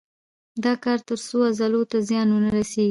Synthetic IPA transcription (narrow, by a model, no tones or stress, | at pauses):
d̪ɑkɑɾt̪əɾsoazalot̪azjɑnwənaɾaseɡi